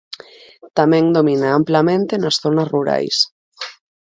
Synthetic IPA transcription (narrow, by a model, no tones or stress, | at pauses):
t̪amɛ̃ŋd̪ominaamplamẽnt̪enasθonasruɾa̰js